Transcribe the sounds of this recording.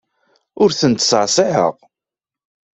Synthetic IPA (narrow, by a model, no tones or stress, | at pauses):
ʊɾθənt̪səʕsˤɪħə̰ʁ